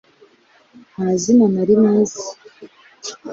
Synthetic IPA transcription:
hazinanaɾimaːzi

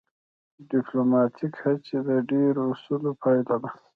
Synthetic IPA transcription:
ɖɪplomɑt̪ʰikhat͡ʃed̪əɖeɾusulopʰɑjlad̪a

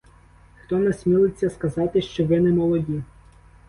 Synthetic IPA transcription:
xt̪ɔnɛsmʲilˠɪt͡sʲːɐskɐzɑt̪ɪʃt͡ʃɔʋɪnɛmɔlˠɔdʲi

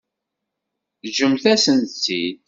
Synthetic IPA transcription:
ʒəmθæsənt͡sːid̪̚

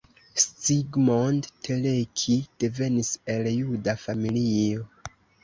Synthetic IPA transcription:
stiɡmondtʰelekʰid̥e̞ve̞nise̞ljudafamilio

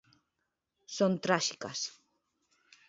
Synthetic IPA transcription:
sont̪ɾaʃikas

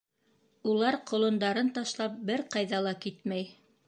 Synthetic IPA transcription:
ulˠɑɾqŏlˠŏnd̪ɑɾɤnt̪ɑʃlˠɑp̚bɘɾqɑjðɑlˠɑkit̪mæj

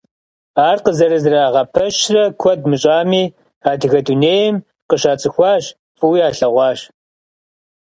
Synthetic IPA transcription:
aːrqəzɐɾɨzɨraːʁɐpʰɐʃrɐkʷʰɔd̚mɨɕʼaːmiː | aːdɨɣɐduneːjɪm | qəʃaːt͡sʼɨxʷɑːɕ | fʼɨwiːaːɬɐʁʷɑːɕ

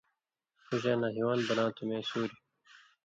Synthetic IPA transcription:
kuʑãːnãːɦiwãːnbʌnãːt̪umẽːsuːɾi

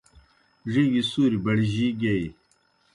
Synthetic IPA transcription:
ʐiːɡisuːɾibɐɽʑiɡei

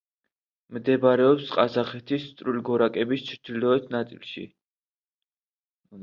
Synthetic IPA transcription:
md̪ɛbɾɛɔpsqʼazaχɛt̪ʰist̪ʼɾulɡɔɾakʼɛbist͡ʃʰɾt̪ʰilɔɛt̪ʰnat̪sʼḭlˠʃḭ

